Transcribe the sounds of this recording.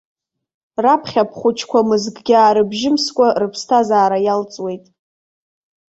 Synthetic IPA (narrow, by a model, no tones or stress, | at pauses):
rapʰχʲapʰχʷʊt͡ʃʰkʷʰamɨzɡʼɡʲaːɾɨbʒɪmskʷʼarɨpʰstʰazaːɾajalt͡sʼwe̞jtʼ